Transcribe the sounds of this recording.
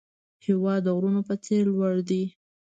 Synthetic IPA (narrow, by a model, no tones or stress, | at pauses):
hɪwɑd̪əɣɾunopət͡selwaɽd̪i